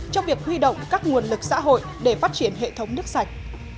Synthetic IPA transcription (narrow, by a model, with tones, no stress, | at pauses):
t͡ɕɔ˧wŋ͡mvi˨˩ək̚hwi˧ɗo̰˧˨wŋ͡mkaː˦˥k̚ŋu˨˩ənlɨ˨˩k̚sa̰ː˧˥ɦo̰˧˨jɗe˧˩faː˦˥t̚t͡ɕi˧˩ənɦḛ˧˨t̪ʰə˨˦wŋ͡mnɨ˦˥ək̚sa˨˩jk̟̚